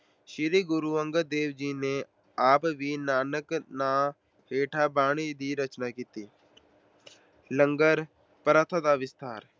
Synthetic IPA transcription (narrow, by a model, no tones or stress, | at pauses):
ʃɪɾiːɡʊɾuːə̃ŋɡəd̪eːʋd͡ʒiːne | aːpʋiːnaːnəknaː | heːʈʰaːbaːɽ̃iːd̪iːɾət͡ʃnaːkiːt̪iː | ləŋɡəɾ | pəɾat̪ʰad̪aːʋɪst̪aːɾ